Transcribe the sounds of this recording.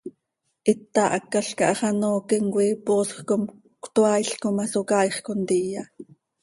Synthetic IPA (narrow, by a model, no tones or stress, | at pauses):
ʔit̪ːɑʔɑkːɑɬkɑʔɑχɑnoːkiŋkʷiːpoːsxkom | kʷt̪oɑjɬkomɑsokɑːjχkont̪ijɑ